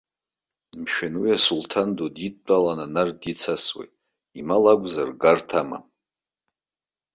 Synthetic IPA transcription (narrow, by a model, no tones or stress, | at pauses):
mʃᶣanwiasultʰandodit̚t͡pʼalananardit͡sʰaswḛjtʼ | imalaɡʷzarɡartʰama̰